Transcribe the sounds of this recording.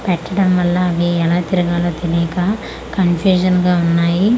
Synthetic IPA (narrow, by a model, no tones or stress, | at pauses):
pɛʈːɐɽɐmʋɐlːɐːʋiɛlaːt̪iɾuɡaːloːt̪eliɐka | kɐnpʰjuːd͡ʒɐnɡaːunːaːji